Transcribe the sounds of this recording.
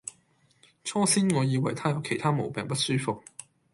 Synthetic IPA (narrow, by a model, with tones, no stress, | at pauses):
t͡ʃʰɔː˥siː˥nŋɔː˨˧jiː˨˧wɐ˨˩jt̪ʰaː˥jɐ˨˧wkʰe˨˩jt̪ʰaː˥mo̰˨˩wpɛː˨˩ŋpɐ˥t̚syː˥fʊ˨k̚